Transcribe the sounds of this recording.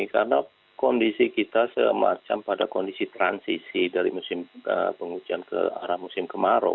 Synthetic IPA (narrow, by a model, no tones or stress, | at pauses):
karəna | kɔndisikit̪asəma̰t͡ʃampadakɔndisit̪ɾa̰nsisidaɾimusɪmə̰pəŋud͡ʒiankə̰aɾahmusɪmkəmaɾo̰